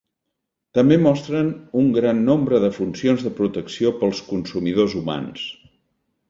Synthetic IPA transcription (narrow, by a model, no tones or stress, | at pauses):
t̪əmbemɔst̪ɾənuŋɡɾanːombɾəðəfunsionzðəpɾut̪əksiopəlˠskunsumiðozuma̰ns